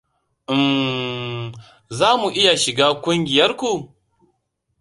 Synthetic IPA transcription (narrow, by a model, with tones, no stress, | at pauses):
ʔɪ˨m | zaː˦mu˨ʔɪ˦ja˨ʃɪ˨ɡaː˦kʷʊ˦ŋɡʲɪ˨jɐ˦rkʷu˨